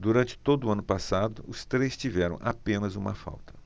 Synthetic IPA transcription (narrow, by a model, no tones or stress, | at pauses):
d̪uɾɐ̃nt͡ʃɪ̥t̪od̪ʊːɐ̃nʊpasad̪ʊʊst̪ɾejst͡ʃivɛɾɐ̰̃w̃ʔapẽnɐzũmɐfa̰wt̪ɐ̥